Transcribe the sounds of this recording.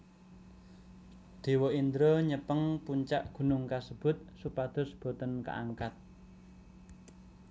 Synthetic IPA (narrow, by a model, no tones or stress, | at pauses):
d̪̥e̤wɔind̪ɾɔɲəpəŋpuɲt͡ʃaʔɡ̥ṳnʊŋkasəb̥ʊ̤t̪̚supad̪̥ɔ̤sb̥ɔ̤t̪ənkə̰ʔa̰ŋkat̪̚